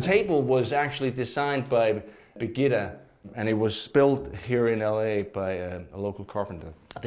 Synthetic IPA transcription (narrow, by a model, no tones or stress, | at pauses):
tʰeɪbl̩ˠwʌzæk̚t͡ʃʉl̩ˠidɨzãɪ̃nbaɪ | bɨɡɪɾɨ | ɨ̃ñɨt̚wʌz̥spɪlˠthiɹɨ̃nɛlˠeɪbaɪəloʊkəl̩ˠkʰɑɹpn̩dəð